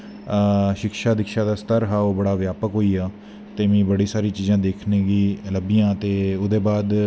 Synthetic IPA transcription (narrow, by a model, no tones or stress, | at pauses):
ʃɪkʃaːd̪ɪkʃaːd̪aːst̪əɾɦaːoːbəɽaːʋjaːpəkɦoːiːaː | t̪eːʋĩːbəɽiːsaːɾiːt͡ʃiːzãːd̪eːkʰneːɡiːləbijãːt̪eːʊd̪eːbaːd̪